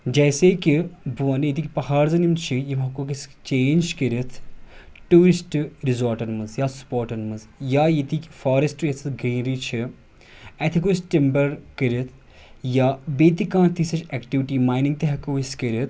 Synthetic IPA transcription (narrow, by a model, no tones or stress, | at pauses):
d͡ʒɛːsekibuʋɐnjit̪ikipɐɦaːɾzɐnimt͡ʃʰijimɐkokist͡ʃeːnd͡ʒkɐɾit̪ʰ | ʈuːɾisʈɾizoːɾʈɐnmɐzjaspoːɾʈɐnmɐz | jaːjit̪ikifaːɾesʈjesʰɐɡɾiːnɾit͡ʃʰi | ɛt̪ʰikosʈimbɐɾkiɾit̪ʰ | jaːbeːt̪ikãːt̪isɐt͡ʃɛkʈiʋiʈiːmaːjnĩŋɡ̚t̪eɦɐkoːiskɐɾit̪ʰ